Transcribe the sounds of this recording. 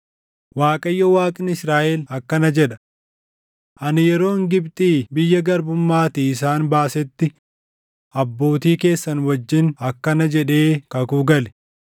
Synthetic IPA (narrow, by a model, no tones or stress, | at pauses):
waːkʼɐjːɐwaːkʼɪnɪsɾaːʔɛlɐkːɐnɐd͡ʒɛᶑɐ̥ | ʔɐnɪjɛɾo̞ːŋɡɪbt̪ʼiːbɪjːɐɡɐɾbʊmːaːt̪iːɪsaːnbaːsɛt̪ːɪ | ʔɐbːo̞ːt̪iːke̞ːsːɐnwɐd͡ʒːɪnɐkːɐnɐd͡ʒɛᶑe̞ːkɐkuɡɐlɛ̥